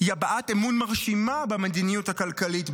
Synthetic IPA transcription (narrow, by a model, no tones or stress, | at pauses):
jabaʔatemunmaʁʃimabemad̪inijuthakalkalit